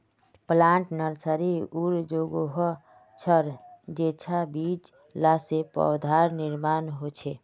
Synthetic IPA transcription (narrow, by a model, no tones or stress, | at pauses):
plãɳʈnəɾsəɾiuɾd͡ʒoɡoɦɔ | t͡ʃʰəɾd͡ʒet͡ʃʰabid͡ʒ | lasepɔ̰wd̪ʱaɾniɾmanɦot͡ʃʰɛ